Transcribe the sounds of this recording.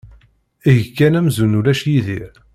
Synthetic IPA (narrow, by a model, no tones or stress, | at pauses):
iʝkːænæmzunulæʃjiðiɾ